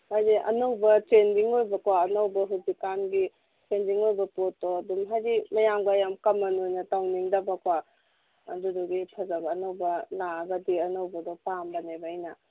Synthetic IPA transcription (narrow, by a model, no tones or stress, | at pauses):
haziʔɐ̰nowbɐt͡ʃendiŋojbɐkwaɐnɐwbɐɦuzikanɡi | t͡ʃendiŋojbɐpotːɔːdumɦajzimɐjamɡɐɐjamkɐmːɐnojnɐtawniŋdɐbɐkwa | ɐduduɡipʰɐzɐbɐːnɐwbɐnaɡɐdiɐnɐwbɐdɔpambɐnebaːjnɐ